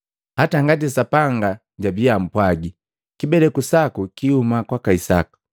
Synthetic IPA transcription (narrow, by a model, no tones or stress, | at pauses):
hataŋɡat̬isapaŋɡa | ɟabiam̩pwaɡi | kibɛlɛkusakukihumakwakaisa̰ku̥